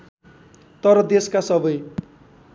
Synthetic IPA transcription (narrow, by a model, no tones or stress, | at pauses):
t̪ʌɾʌd̪eskasʌbʌj